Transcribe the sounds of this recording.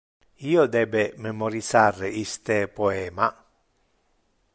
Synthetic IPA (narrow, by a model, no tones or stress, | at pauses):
iːod̪ɛbemɛmɔɾisareist̪epɔɛːma